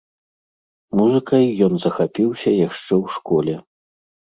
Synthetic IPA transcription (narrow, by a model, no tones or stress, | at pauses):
muzɨkɐjːɔnzɐxapʲiwsʲɐjaʂt͡ʂɛwʂkɔlʲɛ